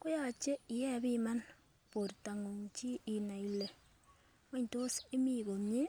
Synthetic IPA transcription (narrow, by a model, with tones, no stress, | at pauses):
kʊ˦ja˨t͡ʃe˦i˨jɛ˦βi˦ma˦n | po˨ɾta˨ŋo˨ŋt͡ʃi˦i˨na˨i˨le˨ | ma˦ɲto˦se˦mi˦˨ɣo˨ɲe˦